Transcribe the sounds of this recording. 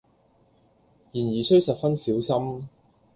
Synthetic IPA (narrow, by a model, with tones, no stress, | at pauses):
jiː˨˩njiː˨˩sɵ˥ɥsɐ˨t̚fɐ˥nsiː˨˥wsɐ˥m